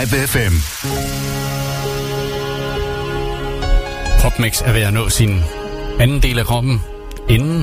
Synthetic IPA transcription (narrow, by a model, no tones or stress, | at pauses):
beefem | kʰʁɒ̽b̥meɡ̥sæɐʋe̝ænɔ̰̽ːsin | ænn̩d̥e̝̰ːlækʰʁɒb̥n̩ | enn̩